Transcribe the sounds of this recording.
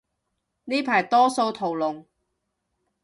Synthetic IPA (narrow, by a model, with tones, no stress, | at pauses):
niː˥pʰaː˨˩jt̪ɔː˥so˧wt̪ʰo˨˩wlʊ˨ŋ